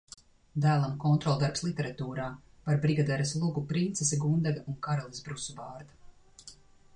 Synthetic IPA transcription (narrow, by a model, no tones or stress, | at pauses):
d̪æːlˠamkɔnt̪ɾɔlˠd̪aɾpslˠit̪ɛɾat̪uːɾaːpaɾbɾiɡad̪ɛɾɐslˠuɡupɾint̪sesɛɡund̪ɛɡaʔuŋkaɾolˠisbɾusubɑːɾd̪a